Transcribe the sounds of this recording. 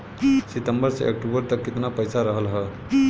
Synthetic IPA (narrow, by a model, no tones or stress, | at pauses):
sit̪əmbəɾt͡sḛʔek̚ʈubəɾt̪əkːit̪napəjsaɾəɦəlɦə